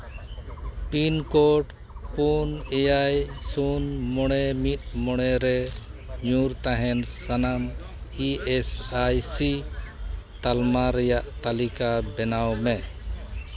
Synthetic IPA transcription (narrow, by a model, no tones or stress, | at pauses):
pinkɔʈ | punɛjajsunmɔɽ̃ɛmit̪̚mɔɽ̃ɛɾɛɲuɾt̪aɦɛnsanam | iɛsajsi | t̪almaɾɛjaʔt̪alikabɛnawmɛ